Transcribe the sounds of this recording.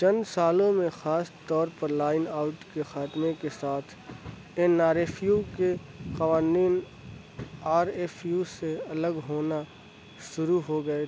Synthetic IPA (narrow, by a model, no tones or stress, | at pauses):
t͡ʃɐ̃nd̪saːlõmẽxaːst̪ɔːɾpɐɾlaːɪnaːʊʈkexaːt̪mẽkesaːt̪ʰ | ɪnaːɾeːfjuke | qɐʋaːniːn | aːɾeːfjuseɐləɡɦoːna | ʃʊɾuɦoɡɐe